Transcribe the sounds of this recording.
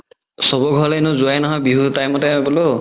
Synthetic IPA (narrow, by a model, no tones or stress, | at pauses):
sɔbɔɡʱɔlenɔzuajnɔɦɔjbiɦutajmɔtabɔlo